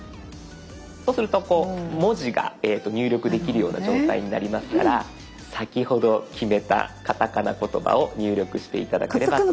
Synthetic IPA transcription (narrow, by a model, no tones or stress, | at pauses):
so̞ːsɨɾɯ̟t̪o̞ko̞ːmo̞ʑiɡa̰et̪ːo̞ɲʲɨːɾʲo̞kɯ̟d̪e̞kʲiɾɯ̟jo̞ːna̰d͡ʑo̞ːt̪aiɲ̟inaɾʲimasɨ̥kaɾa | sakʲiho̞d̪o̞kʲʰime̞t̪a̰kat̪akanako̞t̪o̞ba̰o̞ɲɨːɾʲo̞kɯ̟ɕi̥t̪e̞it̪ad̪a̰keɾe̞ba